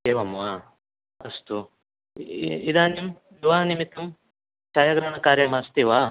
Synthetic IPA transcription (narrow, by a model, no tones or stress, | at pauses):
eʋɐmʋa | ɐst̪u | id̪aːnim | iʋaːnimit̪ːɐm | t͡ʃaːjaɡɾɐɳɐkaːɾjɐmast̪iʋaː